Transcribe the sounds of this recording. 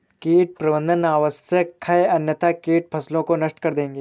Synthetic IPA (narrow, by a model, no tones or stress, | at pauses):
kiːʈ̚pɾɐʋə̃nd̪ʱənaːʋəsjəkkʰːɐjɐnjət̪akiːʈ̚pʰɐslõkonɐʃʈkɐɾd̪ẽːŋɡeː